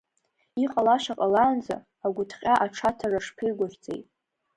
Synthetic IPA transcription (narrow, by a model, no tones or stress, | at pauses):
iqʼalaʃaqʼalaːnd͡za̰ː | ɡʷʊtʰχʲʼaʔaʈ͡ʂʰatʰaraʂpʰɨrɡʷʊrt͡sʼḛjtʼ